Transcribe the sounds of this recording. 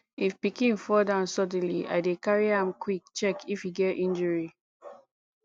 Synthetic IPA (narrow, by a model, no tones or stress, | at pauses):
ifpikĩnfɔdãʊ̃nsɔd̃n̩liʔa̰ɪdekaɹiãmkʰwik̚t͡ʃɛkʰifhiɡɛtĩnd͡ʒəɹi